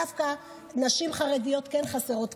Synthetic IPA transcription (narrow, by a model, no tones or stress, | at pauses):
afka | naʃimχaʁedijo̞t̪kenχaseʁo̞t̪